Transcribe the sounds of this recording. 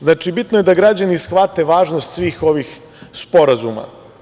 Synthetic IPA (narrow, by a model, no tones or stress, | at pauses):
znaːt͡ʃibit̪nojed̪aɡɾad͡ʑanisxʋat̪e̞ʋaːʒnost̪sʋiːxo̞ʋix | spo̞ɾazuma̰